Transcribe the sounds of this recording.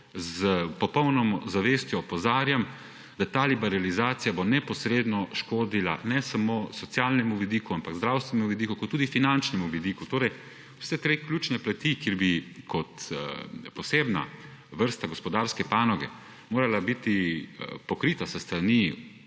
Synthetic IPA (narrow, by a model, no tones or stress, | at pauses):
zəpɔpɔwnɔmɔzaʋest̪jɔːpɔzaːɾjam | d̪̥at̪aːlibɛɾalizaːt̪sijabonɛpɔsɾeːd̪nɔʃkoːd̪ila̰nɛsamoːsɔt̪sjaːlnɛmuʋid̪iːkuampaɡzd̪ɾawst̪ʋɛnɛmuʋid̪ikukɔt̪ːuːd̪ifinant͡ʃnɛmuʋid̪ikut̪oːɾɛj | wsɛt̪ɾeːklʲut͡ʃnɛplat̪ikjeɾbikʰɔt̪ | pɔseːbna̰ | ʋəɾst̪aɡɔspɔd̪aɾskɛpaːnɔɡɛ | moːɾalabit̪ipɔkɾiːt̪asəst̪ɾani